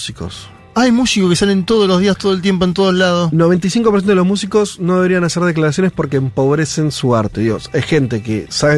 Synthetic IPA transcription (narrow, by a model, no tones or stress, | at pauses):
siko̰s | ajmusikokesalent̪oðoloð̞iast̪oð̞oelt̪jemp̬oent̪̬oðoelːaðonoβent̪is̬iŋkopɾsjent̪elomus̬iko̞snoðeβeɾianaseɾð̞eklaɾas̬jo̞nespo̞ɾk̬eːmpo̞β̞ɾesensuaɾt̪eðjosexent̪e̞kesaɣe